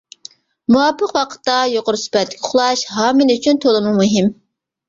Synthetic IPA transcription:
muɑpːəqwɑqʰə̥t̪ːɑjoqʊɾusy̥pɛt̪lɪkʲʰʊχlˠɑʃɦɑːmɨlyt͡ʃʰynt̪ʰolˠɨmumuɦɪm

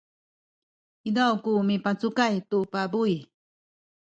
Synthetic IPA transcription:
idawkumipat͡sukajt̪uʔpabuj

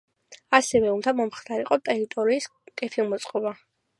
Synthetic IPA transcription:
asɛvɛund̪amɔmχd̪aɾiqʼɔt̪ʼɛɾit̪ʼɔɾiːskʼɛp̪ʰilˠmɔt̪sʼqʼɔba

